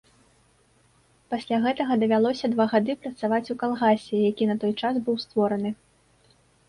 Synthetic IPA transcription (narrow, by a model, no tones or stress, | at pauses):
pasʲlʲaɣɛt̪ɐɣɐd̪ɐvʲalˠɔsʲɐd̪vaɣad̪ɨpɾɐt̪savat͡sʲukalˠɣasʲɛjakʲinɐt̪ɔjt͡ʂasbɨwst̪vɔɾɐnɨ